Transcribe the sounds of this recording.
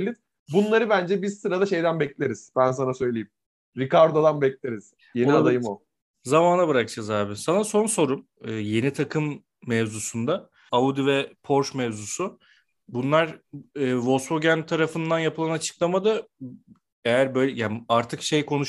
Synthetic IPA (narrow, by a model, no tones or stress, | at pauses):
lʲiɾ | bunlˠaɾɯbænd͡ʒɛbiɾsɯɾad̪aʃe̞jd̪ænbɛclʲeɾiz̥bæns̬anasø̞jlʲejim | ɾikaɾd̪od̪anbɛclʲeɾiz̥ | jeniad̪ajɯmo | zamaːnabɯɾakt͡ʃʰazaːbisanaso̞nso̞ɾum | ɯːje̞nit̪ʰakʰɯmː | ɛvzusund̪a | aud̪ivɛpʰo̞ɾʃmɛvzusʊ | bunlˠaɾɯːvolˠsfoɟant̪ʰaɾafɯnd̪anjapʰɯlˠanat͡ʃʰɯ̥klˠamad̪ɯ | ejæɾbø̞jlʲɛjaːnaɾt̪ʰɯkʃe̞jkʰo̞nuʃ